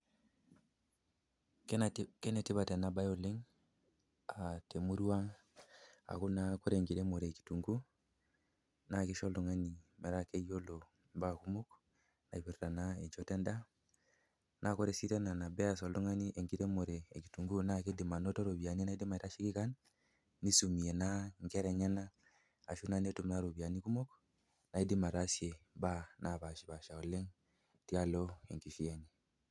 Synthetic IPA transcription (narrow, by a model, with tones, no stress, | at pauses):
kke˦ne˨ti˦ba˨te˨na˦ba˦jo˦lːi˦ŋ | a˨te˨mu˦ɾu˦wa˦ŋ | a̰˨ku˦na˦ko˦ɾe˨ŋɡi˨de˦mo˨ɾe˨ki̥˨tu˨ŋɡu˦ | na˦˨ki˦ʃo˦ldo˨ŋa˦ni˨me˨ɾa˦ke˦jo˦lo˨ | mba˦˨ku˦mu˦k | na̰˨i˨bi˨ɾta˨na˦e˨nt͡ʃo˦te˦nda˦ | na˦˨ko˦ɾe˨si˦te˦na˨na˨be˦a˨so˨lo˦ŋa˦ni˦ʔe˨ŋɡi˦te˦mo˨ɾe˨e˨ki˨tu˨ŋɡu˦na˦ke˦di˨ma˨no˦to˦ɾo˨bi˨a˨ni˦na˨i˦di˦ma˨i˨ta˦ʃi˦ki˦ka˦nː | i˦su˨mi˨e˨na˦ŋke˦ɾe˨ɲa˦na˦ | a˨ʃu˦na˨ne˦tu˨mna˦ɾo˨bi˨a˨ni˦ku˦mo˦k | na˨i˦di˦ma˨ɾa˦sje˨ba˦nʔa˨ba˨ba˨ʃa˨o˨le˦ŋ | ti˦a˦lo˦ḛ˨ŋki˨ʃi˦je˦ni˨